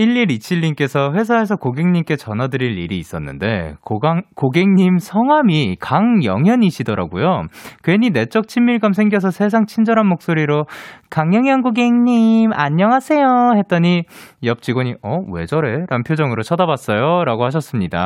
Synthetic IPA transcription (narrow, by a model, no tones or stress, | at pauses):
iɭːiɾit͡ɕʰiʎːink͈e̞sʰʌɸwe̞s̬ʰae̞s̬ʰʌkoɡe̞ŋɲimk͈e̞t͡ɕʌnɦwadɯɾiʎːiɾiːs͈ʌnːɯ̰nde̞kokoɡeŋɲimsʰʌŋɦwamikaŋjʌ̰ŋɦjʌɲiɕʰidʌɾa̰ɡujokweɲine̞t͡ɕ͈ʌk̚t͡ɕʰimːiɭɡamsʰe̞ŋɡjʌs̬ʰʌsʰe̞s̬ʰaŋt͡ɕʰind͡ʑʌɾɦanmok̚s͈oɾiɾokaŋjʌŋjaŋɡoɡe̞ŋɲima̰ɲːʌŋɦasʰe̞johe̞t̚t͈ʌɲijʌp̚t͡ɕ͈iɡwʌɲiʌwe̞d͡ʑʌɾe̞ɾampʰjod͡ʑʌŋɯɾot͡ɕʰʌdabas͈ʌjoɾaɡohaɕ̬ʰʌs͈ɯmɲida̰